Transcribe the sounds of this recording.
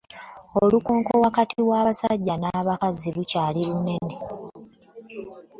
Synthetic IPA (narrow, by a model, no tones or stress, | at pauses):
olukoːŋko̞wakatiβwaːβasaɟːanaːβakazilucaːliune̞ne